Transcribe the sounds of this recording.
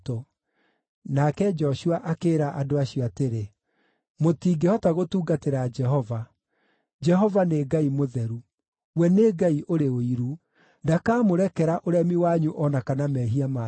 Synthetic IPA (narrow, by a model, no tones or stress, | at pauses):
to | nakɛd͡ʒɔɕuaʔakeːɾaʔadoaɕjɔateɾe | motiːɡehɔtaɣotuːɡateɾad͡ʒɛɦɔva | d͡ʒɛɦɔvaneɡaimoðɛɾu | wɛneɡaiʔoɾeoiɾu | ndakaːmoɾɛkɛɾaʔoɾɛmiwaɲuʔɔnakanamɛɦiama